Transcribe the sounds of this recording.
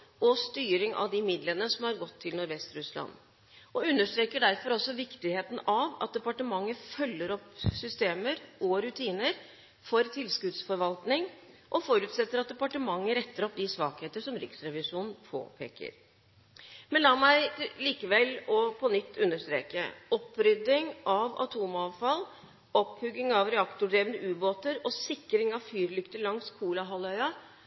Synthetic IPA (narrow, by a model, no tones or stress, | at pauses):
ʔɔst̪yːɾɪŋʔɑ̰ʋd̪ɪmɪd̪lənəsɔmhɑɾɡɔt̪ʰːɪlnʊɾʋɛst̪ɾʉslɑ̰n | ʔɔʉnːəʂt̪ɾeːkəɖæɾfɔɾɔlsɔʋɪkt̪ɪheːt̪n̩ʔɑʋɑt̪̚d̪ɛpɑʈəmɑŋːəfœlːəɾɔpsʏst̪eːməɾɔɾʉt̪ʰiːnəɾ | fɔɾt̪ʰɪlskʉd̪sfɔɾʋɑlt̪nɪŋ | ʔɔfɔɾʉːt̪sɛt̪ːəɾɑt̪̚d̪ɛpɑʈəmɑŋːəɾɛt̪ːəɾɔp̚d̪ɪsʋɑːkheːt̪əʂɔmɾɪ̰ksɾɛʋɪʂuːnn̩pʰo̰ːpʰḛːkə̰ɾ | mɛnlɑːmæɪliːkəʋɛlɔpʰɔnʏt̪ʰːʉnːəʂt̪ɾḛːkə̰ɔpːɾʏd̪ɪŋʔɑʋɑ̰t̪ʰuːmɑːʋfɑl | ɔphʉɡːɪŋɑʋɾɛɑkt̪ʊɖɾeːʋənəʔʉːboːt̪əɾɔsɪkːɾɪŋɑʋfyːɾlʏkt̪əɭɑŋskʰuːlɑɦɑlœʏɑ